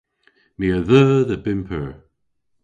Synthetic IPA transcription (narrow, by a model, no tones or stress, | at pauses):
miəðəːðəbɪmpʰəɹ